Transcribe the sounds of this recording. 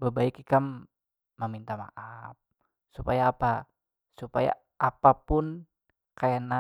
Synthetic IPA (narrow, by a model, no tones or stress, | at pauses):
bəbaɪkikam | mːəmint̪ama̰ʔaf̚ | supajaːpa | supa̰ja̰ | apapʊn | kajana